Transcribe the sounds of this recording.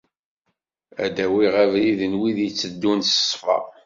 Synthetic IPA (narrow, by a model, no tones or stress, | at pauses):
æ̰d̪æwiʁævliðənwiðjət͡sːəd̪ːunə̥sˤfɑ̰